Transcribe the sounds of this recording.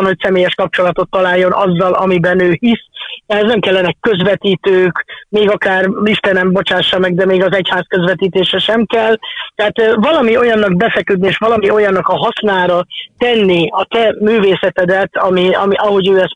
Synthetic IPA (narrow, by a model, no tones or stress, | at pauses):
nho̞csɛmeːjɛʃkɒp̚t͡ʃo̞lɒt̪o̞t̪ːɒlaːjːo̞nʔɒzːɒlɒ̰mibɛnøːhisɛɦɛznɛmkɛlːɛnɛkːø̞zvɛt̪iːt̪øːkmeːɡɒkaːriʃt̪ɛnɛmbo̞t͡ʃaːʃːɒmɛɡd̪ɛmeːɡɒzɛchaːskø̞zvɛt̪iːt̪eːʃɛʃɛmkɛlːt̪ɛɦaːt̪vɒlɒmio̞jɒnːɒɡ̚bɛfɛkød̪nieːʃʋɒlɒmio̞jɒnːɒkɒɦɒsnaːɾɒt̪ɛnːiɒt̪ɛmyːveːsɛt̪ɛd̪ɛt̪ɒmiɒmiʔɒɦo̞ɟøːɛs